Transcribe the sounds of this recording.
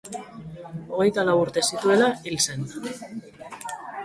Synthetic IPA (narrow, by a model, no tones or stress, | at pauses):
o̞ɣ̞e̞jt̪alawuɾt̪e̞sit̪ue̞lailse̞n